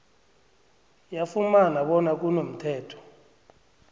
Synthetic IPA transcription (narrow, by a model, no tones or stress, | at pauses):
jafumanaɓɔnak̬unom̩tʰɛːtʰɔ̥